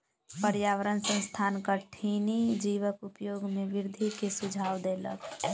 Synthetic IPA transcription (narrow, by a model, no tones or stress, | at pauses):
pəɾjaːʋəɾənsə̃nst̪ʰaːnkaʈʰiːnid͡ʒiːʋəkʊpjoːɡmẽʋɪɾd̪ʱikesʊd͡ʒʱaːwd̪eːlə̰k